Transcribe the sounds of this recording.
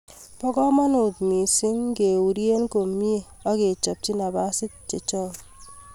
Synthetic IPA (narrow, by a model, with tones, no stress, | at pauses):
pɔ˦kɔ˦ma˦nʊ˨tmi˨si˦ŋ˦ke˨u˨ɾje˦n˦ko˨mi˦e˨ | ɔ˦ke˨t͡ʃɔ˨p̚t͡ʃi˦na˨ba˦sɪ˦t̚t͡ʃe˨t͡ʃɔ˦˨